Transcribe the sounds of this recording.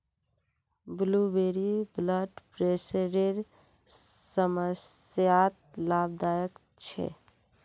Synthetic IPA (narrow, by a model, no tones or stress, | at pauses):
blubeɾibləɖpɾesəɾeɾ | səməsjat̪̚lab̚d̪ajək | t͡ʃʰɛ̰